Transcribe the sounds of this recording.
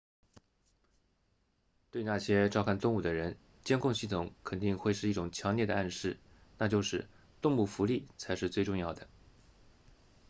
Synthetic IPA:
t̪we˥˧ɪna˥˩ɕjɛ˥ʈ͡ʂɑ˥˧ʊkʰa˥˩nt̪ʊ˥˧ŋu˥˩d̪ə˦ɻə˧˥n | t͡ɕjɛ˥nkʰʊ˥˧ŋɕi˥˩t̪ʰʊ˨˧˩ŋkʰə˨˩nt̪i˥˧ŋxwe˥˧ɪʂɻ̩˥˧i˥˩ʈ͡ʂʊ˨˩ŋt͡ɕʰjɑ˧˥ŋljɛ˥˩d̪ə˩a˥˧nʂɻ̩˥˩ | na˥˧t͡ɕjo˥˧ʊʂɻ̩˥˧ | t̪ʊ˥˧ŋu˥˩fu˧˥li˥˩t͡sʰa˧˥ɪʂɻ̩˥˧t͡swe˥˧ɪʈ͡ʂʊ˥˧ŋjɑ˥˩ʊd̪ə˩

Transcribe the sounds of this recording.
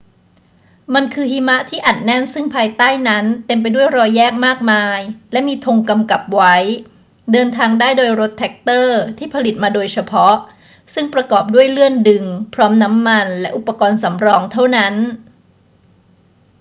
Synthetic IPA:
ma˧nkʰɯː˧ɦiː˧˥ma˦˥ʔt̪ʰiː˥˩ʔa˨˩t̪̚nɛ˥˩nsɯ˥˩ŋpʰaː˧jt̪aː˥˩jna˦˥nt̪e˧mp̬a˧jdu˥˩əjɾɔː˧jːɛː˥˩k̚maː˥˩k̚maː˧jlɛ˦˥ʔmiː˧t̪ʰo˧ŋka˧mka˨˩p̚wa˦˥j | dɤː˧nt̪ʰaː˧ŋdaː˥˩jdoː˧jɾo˦˥t̪ʰːɛ˦˥k̚t̪ɤː˥˩t̪ʰiː˥˩pʰa˧li˨˩t̪̚maː˧doː˧jt͡ɕʰa˧pʰɔ˦˥ʔ | sɯ˥˩ŋpɾa˧kɔː˨˩p̚du˥˩əjlɯ˥˩əndɯ˧ŋpʰɾɔː˦˥mna˦˥mːa˧nlɛ˦˥ʔu˨˩pːa˧kɔː˧nsa˩˦mɾɔː˧ŋt̪ʰa˥˩wna˦˥n

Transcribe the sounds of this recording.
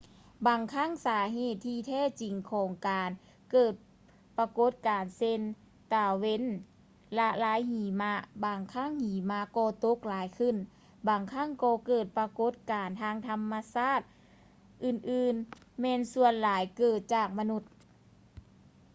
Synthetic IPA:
baː˨˩ŋkʰa˧˥˨ŋsaː˨˧˦ɦeː˨˩t̪ʰːiː˧t̪ʰɛː˧˥˩t͡ɕi˨˩ŋkʰɔː˨˦ŋkaː˨n | kɤː˨˩t̪̚ | pa˧ko˧˦˥t̪̚kaː˨nse˧n | t̪aː˨˩we˧˥˨n | la˧laː˨˧˦jhiː˨˩˦ma˧˥baː˨˩ŋkʰa˧˥˨ŋhiː˨˩˦ma˧˥kɔː˧˩t̪o˧˦˥k̚laː˨˦jkʰɯ˧˥˨n | baː˨˩ŋkʰa˧˥˨ŋkɔː˧kɤː˧˩t̪̚pa˧ko˧˥t̪̚kaː˨˩nt̪ʰaː˧˥ŋt̪ʰa˧mːa˧saː˥˩t̪̚ | ʔɯː˧˩nʔɯː˧nmɛː˧nsu˧ənlaː˨˦jkɤː˨˩t̪̚t͡ɕaː˨˩k̚ma˧nu˧˩t̪̚

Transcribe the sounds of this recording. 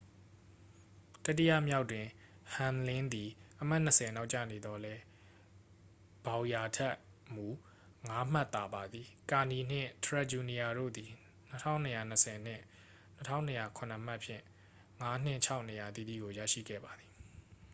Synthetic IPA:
ta˦t̬ːi˦ja̰˦˨mja˦ʊtːwɪ̃˨ | hã˨nlɪ̃˦nd̪i˨ʔəm̥a˦ʔn̥ə˨sʰɛ˨na˦ʊʔt͡ɕä̰˦˨ne˨d̪ɔ˨lɛ˦ | b̥ã˨ʊ̃ja˨tʰɛ˦ʔ | mu˨ | ŋa˦m̥a˦˨t̪ːa˨ba˨d̪ði˨ka˨ni˨n̥ɪ̰̃˦˨tʰəɹa˦˨d͡ʑu˨ni˨ja˨ɾo̰˦˨d̪i˨ | n̥ətʰã̰˦ʊ̃nːə˨ja˨nəsʰɛ˨n̥ɪ̰̃˦˨ | nətʰã̰˦ʊ̃nːə˦˨ja˨kʰʊ̃˨nə˨m̥a˦ʔpʰjɪ̰̃˦˨ | ŋa˦n̥ɪ̰̃˦˨t͡ɕʰa˦ʊʔnə˨ja˨t̪ḭ˦˨d̪ḭ˦˨ɡo˨jä̰˦˨ʃḭ˦˨ɡɛ̰˦˨ba˨d̪i˨

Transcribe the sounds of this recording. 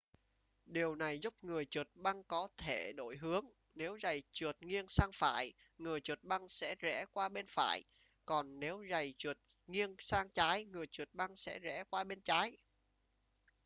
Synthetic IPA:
ɗi˨˩əwna˨˩jzu˦˥p̚ŋɨ˨˩əjt͡ɕu˨˩ət̚ɓa˧ŋkɔ˨˦t̪ʰe˧˩ɗo̰˧˩jɦɨ˨˦əŋ | ne˨˦wza˨˩jt͡ɕu˨˩ət̚ŋi˧ənsaː˧ŋfa̰ː˧˩˨j | ŋɨ˨˩əjt͡ɕu˨˩t̚ɓa˧ŋsɛ̰˧˥zɛ̰˧˥kwaː˧ɓe˧nfa̰ː˧˩˨j | kɔ˨˩nne˨˦wza˨˩jt͡ɕu˨˩ət̚ŋi˧ənsaː˧ŋt͡ɕaː˨˦jŋɨ˨˩əjt͡ɕu˨˩t̚ɓa˧ŋsɛ̰˧˥zɛ̰˧˥kwaː˧ɓe˧nt͡ɕaː˨˦j

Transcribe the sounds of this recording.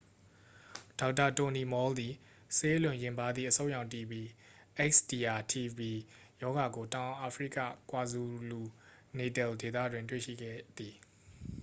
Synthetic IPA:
d̥a˨ʊʔtːa˨to˨ni˨mɔ˦ld̪i˨ | se˦lʊ̃˨jɪ̃˨mba˨d̪ðḭ˦˨əsʰõ˦ʊjã˨ʊ̃nti˨bi˨ | ʔɛ˦ksdi˨ʔa˨tʰi˨bi˨ | jɔ˦ɡa˨ɡo˨tã˨ʊ̃ʔa˨fʰɹḭ˦˨kä̰˦˨kwa˨zu˨lu˨ | ne˨tɛ˨lde˨t̪ä̰˦˨dwɪ̃˨ntwḛ˦˨ʃḭ˦˨ɡɛ̰˦˨d̪i˨

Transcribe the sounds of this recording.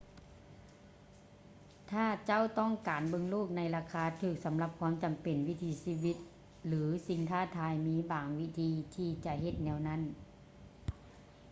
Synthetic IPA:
t̪ʰaː˧˩t͡ɕa˥˨wt̪ɔ˥˩˨ŋkaː˨˩nbɤ˧˨ŋloː˥˩k̚na˧˥jlaː˧kʰaː˧˥t̪ʰɯː˧˩k̚sa˨˦mla˧p̚kʰwaː˧˥˨mt͡ɕa˨˩mpe˨˩nwi˦˥˨t̪ʰiː˧siː˧˥˨wi˧t̪̚ | lɯː˨˦si˧˦ŋt̪ʰaː˥˩t̪ʰaː˧jmiː˧˥baː˨˩ŋwi˦˥˩t̪ʰiː˧t̪ʰiː˧˩t͡ɕa˧ɦe˧˦t̪̚nɛː˧˥˩wna˧˥˨n

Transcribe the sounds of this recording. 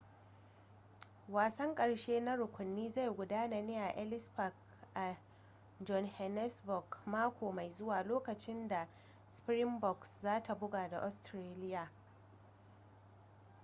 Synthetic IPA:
waː˨sɐ˦ŋkʼɐ˨ɽʃeː˦na˦ɽʊ˨kʷʊ˨nːiː˦za˦˨jɡʷʊ˨daː˦na˨neː˦jʔa˨ʔɛ˦lɪ˦sɸa˨k | ʔa˨ | d͡ʒɔ˦nhɛ˨nɛ˦sbɔ˨ɡmaː˦kʷoː˨ma˨jzʊ˦waː˨loː˦kɐ˨t͡ʃɪ˦nda˨ | spɾɪ˦mbɔ˨kszaː˦tʰa˨bʊ˦ɡaː˨da˨ʔɔ˨˦stɾeː˦lɪ˦jaː˨

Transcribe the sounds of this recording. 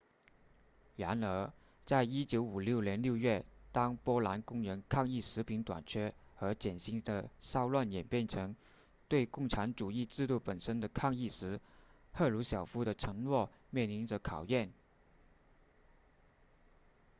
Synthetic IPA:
ɻa˧˥nə˧˥ | t͡sa˥˩ɪi˥t͡ɕjo˧˥ʊu˨˩ljo˥˩ʊnjɛ˧˥nljo˥˧ʊɥɛ˥˩t̪ɑ˥ŋpwɔ˥la˧˥nkʊ˥ŋɻə˧˥nkʰɑ˥˧ŋi˥˩ʂɻ̩˧˥pʰi˧˥ŋt̪wa̰˨˩nt͡ɕʰɥɛ˥xɤ˧˥t͡ɕjɛ˨˩nɕi˥ŋd̪ə˧sɑ˥ʊlwa˥˩njɛ˨˩npjɛ˥˩nʈ͡ʂʰɤ˧˥ŋ | t̪we˥˧ɪkʊ˥˩ŋʈ͡ʂʰa˧˥nʈ͡ʂu˨˩i˥˧ʈ͡ʂɻ̩˥˧t̪u˥˩pə˨˩nʂə˥nd̪ə˨kʰɑ˥˧ŋi˥˩ʂɻ̩˧˥ | xɤ˥˩lu˧˥ɕjɑ˨˩ʊfu˥ɾə˨ʈ͡ʂʰɤ˧˥ŋlwɔ˥˩ | mjɛ˥˩nli˧˥nʈ͡ʂə˧kʰɑ˨˩ʊjɛ˥˩n

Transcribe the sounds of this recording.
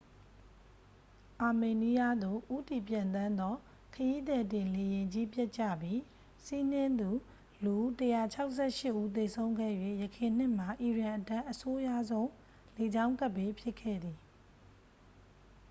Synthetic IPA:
ʔa˨me˨ni˦ja˦d̪o˨ʔu˦ti˨pjã˨nt̪ã˦nd̪ɔ˦ | kʰəji˦d̪ɛ˨t̬ɪ̃˨le˨jɪ̃˨ɲd͡ʑi˦pja˦ʔt͡ɕä̰˦˨bji˦ | si˦n̥ɪ̃˦nd̪u˨ | lu˨˦təja˨t͡ɕʰa˦ʊʔsʰɛ˦˨ʃɪ˦ʔːu˦t̪e˨sʰõ˦ʊ̃ŋɡɛ̰˦˨jwḛ˦˨jəkʰɪ̃˨n̥ɪ̃˦˨m̥a˨ʔi˨ɹã˨ʔətã˦ʔəso˦ja˦˨zõ˦ʊ̃ | le˨d͡ʑã˦ʊ̃ka˦ʔpːe˦pʰjɪ˦kʰːɛ̰˦˨d̪i˨

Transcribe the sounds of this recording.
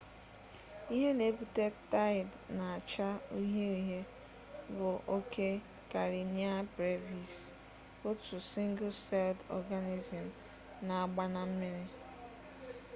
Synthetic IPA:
i˦ɦe˦ne˨˦pu˦te˦ta˦ɪ˨dna˨a˨t͡ʃa˦u˦ɦe˦i˦ɦe˦ | bʊ˨ʔo˦kʰe˦ | ka˨ɾi˨ni˦a˦bɾe˦vi˨s | o˦tu˨si˦ŋ̩˦ɡʊ˦se˦ldɔ̰˦ɡa˦ni˦zi˨m̩˨ | na˨a˦˨ɡ͡ba˦na˨m̩˦mɪ˦ɾɪ˦

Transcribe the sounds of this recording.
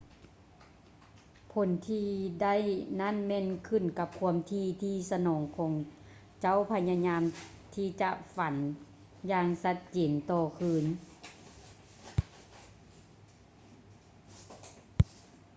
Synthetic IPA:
pʰo˨˦nt̪ʰiː˧da˥˨jna˥˨nmɛː˧˨nkʰɯ˧˩˨nka˧p̚kʰu˧əmt̪ʰiː˧t̪ʰiː˧sa˧nɔː˩˦ŋkʰɔː˨˩˦ŋ | t͡ɕa˥˨wpʰa˧ɲa˧ɲaː˧m | t̪ʰiː˧t͡ɕa˧ʔfa˨˦n | jaː˧ŋsa˧t̪̚t͡ɕe˩˨˦nt̪ɔː˧˩kʰɯː˧˥n

